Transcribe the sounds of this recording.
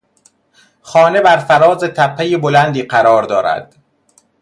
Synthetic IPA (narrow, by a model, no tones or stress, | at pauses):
xɒːne̞bæɾfæɾɒːzet̪ʰæpʰːejebolænd̪iːɢæɾɒːɾd̪ɒːɾæ̰d̪̥